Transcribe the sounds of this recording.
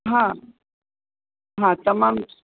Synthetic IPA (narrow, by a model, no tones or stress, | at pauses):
ɦã | ɦãt̪ɐmam